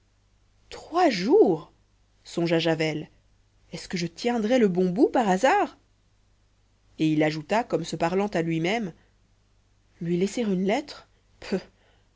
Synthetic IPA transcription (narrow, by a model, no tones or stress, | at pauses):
t̪χwaʒuʁ | sɔ̃ʒaʒavɛl | ɛskəʒət̪jɛ̃d̪ʁɛləbɔ̃bupaʁazaːʁ | eilaʒut̪akɔmsəpaʁlɑ̃t̪alɥimɛm | lɥilɛseʁynlɛt̪χ | pʰø